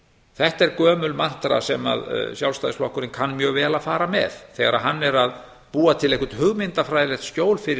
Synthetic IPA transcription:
θɛht̪ɛɾkœːmʏlman̥t̪ɾa̰sɛma̰ðsjawlsajðɪsflɔhkʏɾɪnkʰanːmjœːɣvɛːlafaːɾamɛ̰ðθɛɣaɾa̰ɦanːɛɾað | puːat̪ʰɪlehkʏ̥t̪hʏɣmɪnt̪afɾaːjðlɛxt̪scoːwlfɪɾɪ

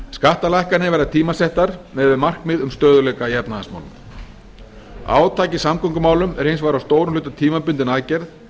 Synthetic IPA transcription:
skaht̪alajhkanɪvɛjɾðat̪ʰiːmasɛht̪aɾ̥mɛːðʏmar̥kmɪðʏmst̪œːðʏlɛkajɛpnaa̰sma̰wlʏ̰m | a̰ːwt̪ʰaːcɪsamkʰɔŋkʏmaːwlʏmɛɾejnsvaːɾawst̪oːwɾʏmlʏːt̪at̪ʰiːmapʏnt̪ɪnaːcɛɾð

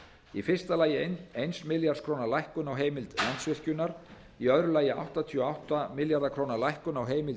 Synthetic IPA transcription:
ifɪr̥st̪alaːjɪenejnsmɪljaɾt̪skʰɾoːwnalajhkʏnawɦeːjmɪlt̪lant̪svɪr̥cʏnaɾ | iœðɾʏlaːjɪa̰wht̪at̪ʰiɔawht̪amɪljaɾðakʰɾoːwnalajhkʏnawɦeːjmɪlt̪

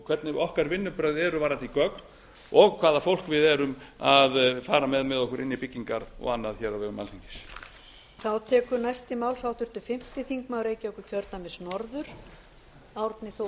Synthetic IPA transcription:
kʰvɛt̪nɪɔhkaɾvɪnːʏpɾœɥðɛɾʏvaːɾant̪ikœkn | ɔɣkʰv̥aːðafowl̥kvɪðɛɾʏmaðfaːɾamɛðmɛðɔhkʏɾʔɪnːipicːiŋkaɾɔ̰ɣanːaðçɛːɾawvɛɣʏma̰liɲcɪ̥s | θawt̪ʰɛːkʏɾnajst̪ɪmaːwlsawt̪ʏɾ̥t̪ʏfɪm̥t̪ɪθiŋkmawɾeːjcɪɔhkʏ̥cʰœɾt̪namɛsnɔɾðʏɾ̥ | awɾt̪nɪθo

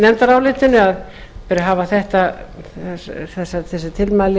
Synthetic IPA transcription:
nɛmt̪aɾawlɪːt̪ɪnːʏaðpɛɾjaɦaːvaθɛht̪aɛθɛsːaθɛsːɪt̪ʰɪlmajlɪ

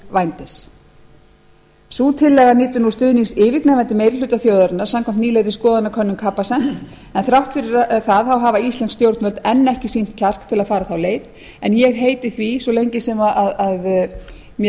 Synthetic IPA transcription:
vajnt̪ɪs | suːt̪ʰɪlːɛɣaniːt̪ʏnu̥st̪ʏːðniŋsɪːvɪk̪nɛːvɛnt̪ɪmeːjɾɪlʏːt̪aθjoːðʏɾnaɾ̥samkʰam̥t̪niːlejɾɪskɔːðanakʰœnːʏmkʰapːasɛn̥t̪ | ɛnθɾawht̪fɪɾɪɾθaðθawɦavaist̪ɛnst̪jowɾt̪nvœlt̪ɛnːɛhcɪsin̥t̪cʰar̥kt̪ʰɪlaðfaːɾaθawleːjð | ɛnjɛɣɦeːjt̪ɪθvisɔlejɲcɪsɛmaʔaðað | mj

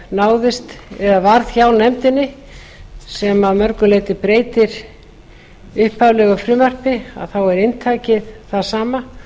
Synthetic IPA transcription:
naːwðɪst̪ɛðavaɾð̥çawnɛmt̪ɪnːɪ | sɛmaðmœɾkʏleːjt̪ɪpɾeːjt̪ɪɾ̥ | ʏhpavlɛɣafɾʏːmœr̥pɪa̰ðθawɛɾɪnt̪ʰaːjcɪðθaðsaːma

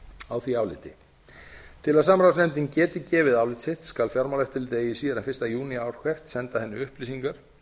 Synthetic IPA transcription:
awθviaːwlɪ̰ːt̪ɪ | t̪ʰɪlaðsaːmɾawsnɛmt̪ɪncɛːt̪ɪcɛːvɪðaːwlɪt̪sɪht̪skalfjɔɾmawlɛft̪ɪlt̪eːjɪsiːðaɾɛnfɪ̥rst̪ajuːniawɾ̥kʰvɛr̥t̪sɛnt̪aθɛnːʏʏhpliːsiŋkaɾ̥

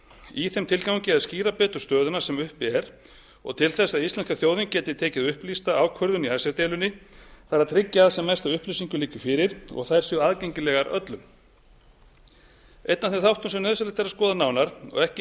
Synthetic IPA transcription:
iθɛmt̪ʰɪlkawɲcɪaðsciːɾapɛːt̪ʏ̥ɾ̥st̪œːðʏnasɛmʏhpɪɛɾ | ɔ̰ɣt̪ʰɪlθɛsːaðist̪lɛnskaθjoːwðincɛːt̪ɪt̪ʰɛːcɪðʏhplist̪aawkʰœɾðʏniajsaɾt̪ɛːlʏnːɪθaɾaðt̪ʰɾɪcːaːðsɛmːajst̪aʏhplisiŋkʏliːcʏfɪːɾɪɾ̥ɔ̰ɣθaðɛɾ̥sʏaðcejɲcɪlɛːɣaɾʔœ̰t̪lʏm | ejt̪naθeθawht̪ʏmsɛmnœðsaɾlɛt̪aɾaskɔːðanaːwnaɾ̥ɔ̰ɣɛhcɪ

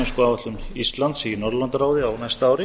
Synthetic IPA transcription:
ɛnskɔaːvat̪lʏmist̪lant̪sinɔɾlant̪aɾaːwðɪawnajst̪aaːwɾɪ

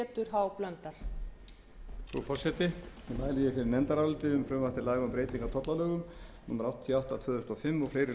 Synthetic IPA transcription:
ɛt̪ʏɾ̥ɦawplœnt̪aɾ̥ | θṵpʰɔsɛt̪ɪ | ɪmaːjlijɪfɪɾɪɾnɛnt̪aɾaalt̪ɪʏmfɾœːmaft̪ɪɾlaːjɣaʏmpɾejt̪liŋkat̪ʰɔt̪lalœːɣʏmnumaɾawht̪t̪ʰːiawht̪at̪ʰvœːðʏst̪ɔfɪmːɔɣfleːjɾɪ

